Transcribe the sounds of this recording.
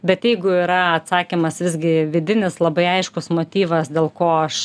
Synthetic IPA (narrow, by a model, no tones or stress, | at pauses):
bʲɛt̪jɛɪɡʊiɾɐɐt̪sɑːkʲimɐsʋʲɪzʲɡʲɪʋʲɪd̪ʲɪnʲɪslˠɐbɐɪɐɪʃkʊsmoːt̪ʲiːʋɐsd̪ʲeːlˠkoːɐʃ